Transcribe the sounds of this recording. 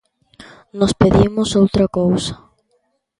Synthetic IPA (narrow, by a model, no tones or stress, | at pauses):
nospeðimʊsowt̪ɾakowsɐ̥